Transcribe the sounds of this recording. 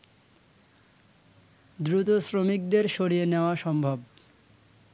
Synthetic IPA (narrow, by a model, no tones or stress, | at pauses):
d̪ɾut̪osɾomik̚d̪eɾʃoɽijeneoaʃɔmbʱob